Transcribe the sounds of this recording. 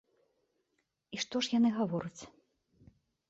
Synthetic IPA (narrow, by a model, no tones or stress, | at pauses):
iʂt̪ɔʂjanɨɣavɔɾɐt͡sʲ